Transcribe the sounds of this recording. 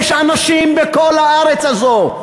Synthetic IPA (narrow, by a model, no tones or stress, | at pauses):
ʃanaʃimbeko̞lhaaʁet͡sazo